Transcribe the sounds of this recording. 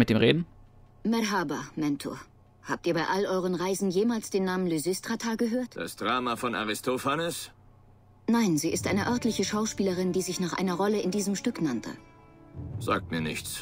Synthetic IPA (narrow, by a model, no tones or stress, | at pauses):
mɪt̚d̥eːmʁeːdn̩ | mɛɾɦaːbamɛntʰo̰ːɐ | haːp̚tiːɐbaɪʔalʔɔʏʁ̞ənʁaɪzn̩jeːmaːlsd̥eːnːaːmənlyzɪstʁ̥atʰaːɡəɦøːɐtd̥a̰sd̥ʁaːmafɔna̰ʁɪstʰofanɛs | naɪnziːɪstʔa̰ɪnəʔœɐtlɪçəʃaʊʃpiːləʁɪndiːzɪçnaːχʔa̰ɪnɐʁɔləɪndiːzəmʃtʏknantʰə̰ | z̥a̰ːk̚tmiːɐnɪ̰çt͡s